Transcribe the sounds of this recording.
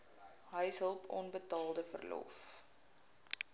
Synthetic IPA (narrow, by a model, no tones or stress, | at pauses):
ɦəjsɦəlˠpʰɔ̰nbətɑːlˠdəfə̰rlɔ̰f